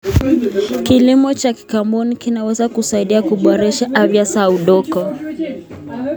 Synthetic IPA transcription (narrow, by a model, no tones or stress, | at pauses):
kilimɔt͡ʃaki̥kambɔnikinawɛzakusaiɗiakuɓɔɾɛʃaʔavjasauɗɔkɔ